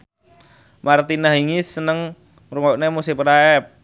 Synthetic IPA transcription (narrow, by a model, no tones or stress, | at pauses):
mart̪inaɦiŋisənəŋ | ruŋɔʔnemusipəɾaɛp̚